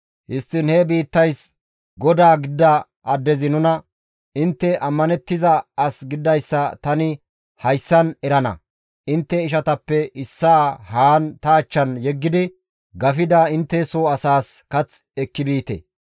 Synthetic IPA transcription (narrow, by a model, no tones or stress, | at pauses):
hɪst̪ːɪnhɛbiːt̪ːɐjs | ɡɔd̪aːɡɪd̪ːɐ | ʔɐd̪ːɛzɪnʊnɐ | ɪnt̪ːɛʔɐmːɐnɛt̪ːɪzɐɐsɡɪd̪ːɐjsːɐt̪ɐnɪ | hɐjsːɐnɛɾɐnɐ̰ | ʔɪnt̪ːɛɪʃɐt̪ɐpːɛʔɪsːaːhaːnt̪ɐːt͡ʃːɐnjɛɡːɪd̪ɪ | ɡɐfɪd̪aɪnt̪ːɛsoːɐsaːskɐt͡sɛkːɪbiːt̪ɛ̰